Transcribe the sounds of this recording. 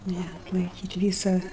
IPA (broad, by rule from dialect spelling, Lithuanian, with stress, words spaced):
nʲɛ ɐtlˠɐɪˈkʲiːtʲ ˈʋʲiːsɐ